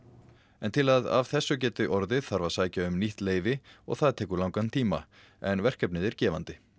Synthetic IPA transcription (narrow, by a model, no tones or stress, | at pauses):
ɛnt̪ʰɪlaða̰v̥θɛsːʏcɛːt̪ʏʔɔɾðɪðθaɾvasaːjcaʏmniht̪leːjvɪɔ̰ɣθaðt̪ʰɛːkʏɾlawŋkant̪ʰiːma̰ | ɛnvɛr̥kɛpnɪðɛɾcɛːvant̪ɪ